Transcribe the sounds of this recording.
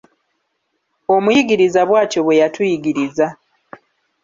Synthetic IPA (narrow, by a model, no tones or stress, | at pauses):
o̞mujiɡiɾizaβwaːco̞βwe̞jatujiɡiɾiza